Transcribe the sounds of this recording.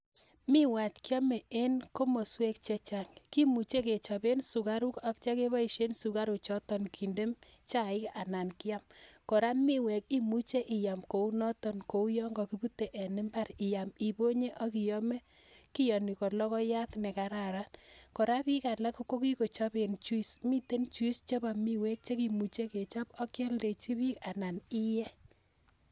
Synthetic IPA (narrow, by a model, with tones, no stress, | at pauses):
mɪ˦wa˨tkjɔ˦mɛ˨e˦nko˦mo˨swe˦kt͡ʃe˦t͡ʃa˨ŋki˦mu˨t͡ʃe˦ke˨t͡ʃɔ˨be˦nsu˨ka˦ɾu˦ka˦k̚t͡ʃa˦ke˦βa˦i˨ʃe˦nsu˨ka˦ɾu˨t͡ʃɔ˦tɔ˦nkʰi˨nde˦m | t͡ʃa˦˨ɪ˦ka˨na˨nkɪ˦ja˦mkɔ˨ɾa˦mi˦wɛ˨k̚i˦mu˦t͡ʃe˦ʔɪ˨ja˨mko˨u˦nɔ˦tɔ˦nko˨u˦jɔ˦ŋɡɔ˨ki˦bu˦te˨ʔɛ˨nɪ˦mba˦ɾi˨ja˨mi˨bo˦ɲe˦ʔɔ˦ki˨jɔ˦me˦ | ki˦jɔ˨ni˨kɔ˨lɔ˦kɔ˦ja˦tnɛ˨ka˨ɾa˨ɾa˦nkɔ˨ɾa˦pi˦ka˨la˦ko˦ko˦ki˦ko˨t͡ʃɔ˦pe˨nt͡ʃu˦i˦smi˦te˦nt͡ʃu˦i˦st͡ʃɔ˦ba˨mi˦wɛ˦k̚t͡ʃe˦ki˨mu˨t͡ʃe˦ke˨t͡ʃɔ˦pɔ˦kjɛ˦lde˨t͡ʃi˦pi˦ka˨na˨ni˦jɛ˦